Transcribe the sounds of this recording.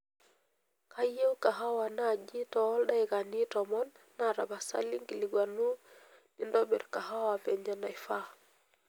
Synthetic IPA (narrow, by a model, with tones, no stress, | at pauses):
ka˦je˦wka˨ɦa˦wa˨na˦˨d͡ʒi˦tɔ˦lɗa˦jka˨ni˦tɔmɔ˦nː | a˨ɾa˨ba˨sa̰˦li˦ŋki˨li˨ɡwa˨nu˦ | ni˦ndɔbɛ˨ɾka˨ɦa˦wa˨vɛ˨ɲd͡ʒa˨na˨jfa˦